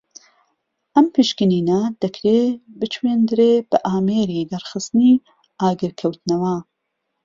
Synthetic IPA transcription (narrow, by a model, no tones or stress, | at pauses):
ʔɐmpiʃkɨniːnɐd̪̥ɐkʰɾeːbɨt͡ʃweːnd̪ɾeːb̥ɐʔaːmeːɾid̪ɐɾxɨst̪ni | ʔaːɡɨɾkʰɐwt̪nɐwɐ